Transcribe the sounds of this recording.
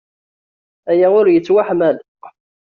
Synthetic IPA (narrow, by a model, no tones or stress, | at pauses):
æjaʊɾjət͡sːwaħmæl